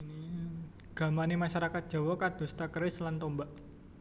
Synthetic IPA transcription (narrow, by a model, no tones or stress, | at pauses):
ni | ɡ̥a̤manimaʃaɾakat̪̚dd͡ʒ̥a̤wɔkad̪̥ṳst̪akəɾɪslant̪ɔmbaʔ